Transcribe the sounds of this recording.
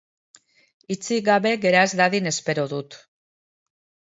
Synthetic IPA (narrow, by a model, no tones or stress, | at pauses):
it͡siɡaβe̞ɣe̞ɾaezd̪aðine̞spe̞ɾoðut̪